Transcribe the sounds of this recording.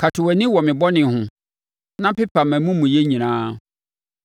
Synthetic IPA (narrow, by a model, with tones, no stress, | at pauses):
kʰa˨tʰʊ˨wæ˨nĩ˦wɔ˨mɪ̃˨bɔ˦nɪ̃˨hʊ̃˨ | nã˦pɪ˦pʰa˨mæ̃˨mũ˦mũ˨je˦ɲĩ˨nãː˦